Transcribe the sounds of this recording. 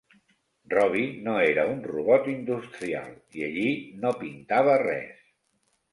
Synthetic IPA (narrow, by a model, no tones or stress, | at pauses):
rɔβ̞inoeɾəunruβɔt̪ind̪ust̪ɾia̰lˠiəʎinopint̪aβ̞ərɛ̰s